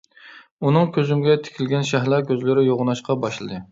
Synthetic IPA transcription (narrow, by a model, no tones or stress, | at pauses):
unɨŋkʲʰøzymɡʲɛt̪ʰe̥kʲʰilɡʲɛnʃæɦlˠɑkʲʰøzlɪɾɪjoʁʊnɑʃqɑbɑʃlˠɨd̪ɨ